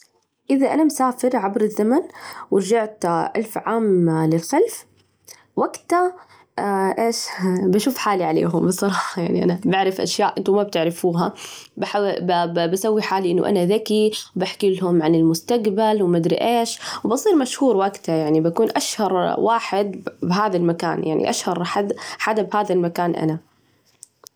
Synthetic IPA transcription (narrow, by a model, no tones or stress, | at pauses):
ʔɪðaʔanamsaːfɪɾʕabɾɪzːamanwɪɾd͡ʒaʕt̪ʔa̰lfʕaːmlɪlxalf | waɡt̪a | ʔeːʃbaʃuːfħaːliʕalḛːɦʊmbɨsˤːɑɾˤɑːħħɑja̰ʕniʔa̰nabaʕɾɪfʔa̰ʃjaːʔɪnt̪umab̚t̪ɪʕɾɪfuːɦababasawːiħaːliʔɪnːʊ̰ʔa̰naðakiwbaħkilɦʊmʕanɪlmʊst̪aɡbalwmad̪ɾḭʔeːʃwbɑsˤiːɾmaʃhuːɾwaɡt̪ajaʕnibakuːnʔaʃhɑɾˤwaːħɪd̪bɦaːðalmaka̰ːnja̰ʕnḭʔaʃhɑɾˤħad̪ħad̪abhaːðalmakaːnʔa̰na